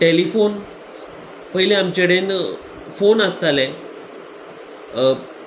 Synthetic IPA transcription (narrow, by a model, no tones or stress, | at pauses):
ʈelifon | pəɦileamt͡ɕeɽen | fonəst̪alẽ